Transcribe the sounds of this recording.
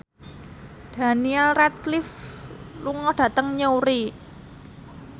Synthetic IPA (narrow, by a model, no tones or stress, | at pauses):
d̪̥a̤niɛlrɛt̪̚klifluŋɔd̥ä̤t̪əŋɲouɾi